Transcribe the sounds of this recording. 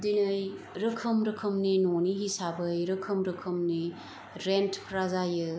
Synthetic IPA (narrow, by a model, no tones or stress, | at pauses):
dinɯj | ɾɯkʰɯmɾɯkʰɐmninoniɦisabɯjɾɯkʰɯmɾɯkʰɯmni | ɾentpʰɾazajɯ